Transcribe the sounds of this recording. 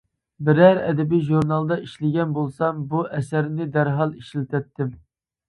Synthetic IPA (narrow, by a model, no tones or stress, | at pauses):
bɪɾæɾɛ̰d̪ɛbijʒuɾnɑlˠd̪ɑʔiʃlɪɡʲɛnbolˠsɑmbuʔɛsæɾnɪd̪æɾɦɑlˠiʃlt̪ʰɛp̚t̪ʰːɪm